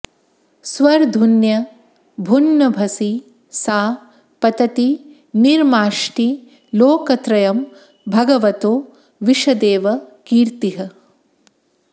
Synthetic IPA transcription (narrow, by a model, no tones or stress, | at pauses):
sʋɐɾd̪ʱunjɐ | bʱunːɐbʱɐsi | saː | pɐt̪ɐt̪i | niɾmaːʂʈi | loːkɐt̪ɾɐjɐm | bʱɐɡɐʋɐt̪oː | ʋiʂɐd̪eːʋɐkiːɾt̪iɦɐ